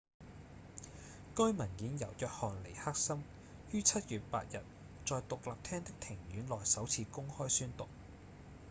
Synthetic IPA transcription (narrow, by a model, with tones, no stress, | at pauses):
kɵ˥mɐ˨˩njiː˨˥njɐ˨˩wjœː˨k̚hɔː˨nle˨˩jhaː˥k̚sɐ˥m | jyː˥t͡sʰɐ˥t̚jyː˨t̚pa̰ː˧t̚jɐ˨t̚ | t͡sɔː˨jt̪ʊ˨k̚laː˨p̚t̪ʰɛː˥ŋt̪ɪ˥k̚t̪ʰɪ˨˩ŋjyː˨˥nlɔː˨jsɐ˨˥wt͡sʰiː˧kʊ˥ŋhɔː˥jsyː˥nt̪ʊ˨k̚